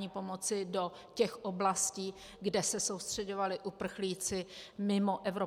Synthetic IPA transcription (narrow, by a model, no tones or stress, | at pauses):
ɲiːpo̞mo̞t͡sɪdo̞ | cɛxʔoblasciː | ɡdɛsɛso̞wst̪r̝̥ɛɟo̞valɪʔupr̩xliːt͡sɪmɪmo̞ʔɛvɾo